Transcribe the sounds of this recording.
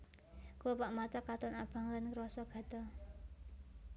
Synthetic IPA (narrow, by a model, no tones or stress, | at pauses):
kopaʔmat̪akat̪ɔnab̥a̤ŋlankəɾɔsɔɡ̥a̤d̪ɔ